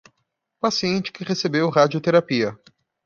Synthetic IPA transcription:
pasiẽnt͡ʃɪ̥kɪʁesebewɦad͡ʒiʊt̪eɾapiɐ

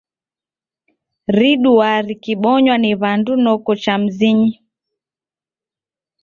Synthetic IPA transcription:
ɾiɗuaɾikiɓɔɲwaniβandunɔkɔt͡ʃam̩ziɲi

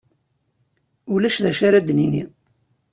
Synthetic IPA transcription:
ulæʃðæʃaɾad̪ninḭ

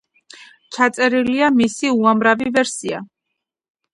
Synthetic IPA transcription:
t͡ʃʰat̪sʼɛɾiliamisiuamɾavivɛɾsia̰

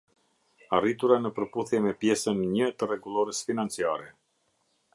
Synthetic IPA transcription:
arit̪uɾanəpəɾpuθjɛmɛpjɛsənɲət̪ərɛɡulˠɔɾəsfinant͡siaɾɛ

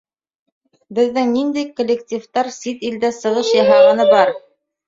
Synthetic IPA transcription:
bɘ̆ðːɘŋnind̪æjkŏlʲːektʲift̪ɑɾsit̪ild̪æsɤ̆ʁɤʃjɑɦɑʁɑ̆nɤbɑɾ

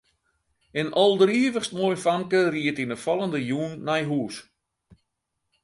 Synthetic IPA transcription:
ɪnʔɔlˠdriːəvəxstmojfamkəriətinəfɔlˠəndəjuːnːajɦuːs

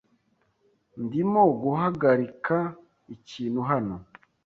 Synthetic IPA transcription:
ndimoɡuɦaɡaɾikʰa | iciːn̤huɦano

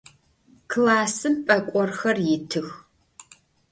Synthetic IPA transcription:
kʰlaːsɨmpʼɐkʷʼɔrxɐrjɪtʰɨx

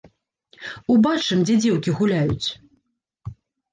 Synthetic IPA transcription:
ubat͡ʂɨmd͡zʲɛd͡zʲɛwkʲiɣulʲajut͡sʲ

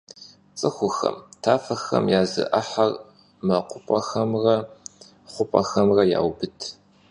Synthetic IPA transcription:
t͡sʼɨxʷʊxɐ̰mtʰaːfɐxɐ̰mjaːzɨ̰ʔɐħɐr | mɐqʷʊpʼɐxɐmrɐ | χʷʊpʼɐxɐmrɐja̰ːwbɨtʰ

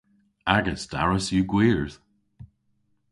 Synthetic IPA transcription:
aɡəsda̰ɹəsjʉɡwiːɹð̥

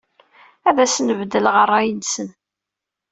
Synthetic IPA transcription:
æðæsnəvd̪əlʁərˤːæjənsən

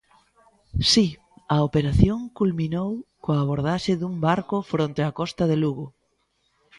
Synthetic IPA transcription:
si | ɐopeɾaθjoŋkulminowkoaːβ̞oɾð̞aʃɪðumbaɾkʊfɾont̪eakɔst̪ɐðeluɣʊ

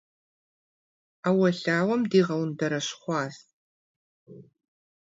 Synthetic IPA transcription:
aːwɐɬaːwɐmdiːʁɐlɨmdɐɾɐɕχʷɑːs

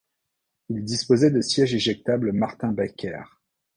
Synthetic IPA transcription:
ild̪ispozɛd̪əsjɛʒeʒɛk̚t̪abləmaʁt̪ɛ̃bakʲʰɛ̰ːʁ

